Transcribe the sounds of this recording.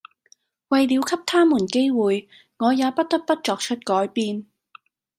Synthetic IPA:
wɐ˨jliː˨˧wkʰɐ˥p̚t̪ʰaː˥muː˨˩nke˥jwuː˨j | ŋɔː˨˧jaː˨˧pɐ˥t̚t̪ɐ˥k̚pɐ˥t̚t͡ʃɔː˨k̚t͡ʃʰɵ˥t̚kɔː˨˥jpiː˧n

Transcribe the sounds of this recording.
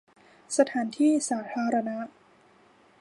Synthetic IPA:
sa˧t̪ʰaː˩˦nt̪ʰiː˥˩saː˩˦t̪ʰaː˧ɾa˧na˦˥ʔ

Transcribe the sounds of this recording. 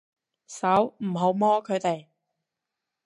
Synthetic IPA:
sɐ˨˥wm̩˨˩ɦo˨˥wmɔː˥kʰɵ˨˧t̪e˨j

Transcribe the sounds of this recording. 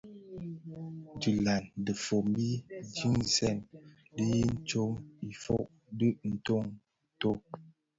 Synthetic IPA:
d͡ʒʉ˨la˨ndə˨fo˨m˦bi˦d͡ʒi˦ŋzɛ˦˨n | də˦ji˦n̩˦t͡ʃo˦ŋi˨fo̰˦ʔ | də˦ʔn̩˨to˦˨ŋ˨ | to˦˨

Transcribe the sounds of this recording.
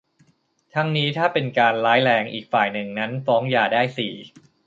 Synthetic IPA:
t̪ʰa˦˥ŋniː˦˥t̪ʰaː˥˩pe˧nkaː˧nlaː˦˥jlɛː˧ŋʔḭː˨˩k̚faː˨˩jnɯ˨˩ŋna˦˥nfɔː˦˥ŋjaː˧˩daː˥˩jsiː˨˩

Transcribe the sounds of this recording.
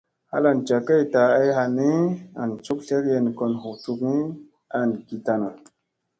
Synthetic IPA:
ha̰˦la˨nt͡ʃa˨kə˦˨jta˨a˦jɦa˨ni˦a˨nt͡ʃu˦kɬe˦kje˨n˨ko˨nɦu˨t͡su˧kŋi˦ | a˨nɡi˨ta˨na˨

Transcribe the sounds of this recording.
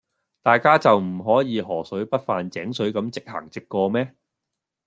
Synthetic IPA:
t̪aː˨jkaː˥t͡sɐ˨wm̩˨˩ɦɔː˨˥jiː˨˧ɦɔː˨˩sɵ˨˥ɥpɐ˥t̚faː˨nt͡sɛː˨˥ŋsɵ˨˥ɥkɐ˨˥mt͡sɪ˨k̚hɐ̰ː˨˩ŋt͡sɪ˨kːɔː˧mɛː˥

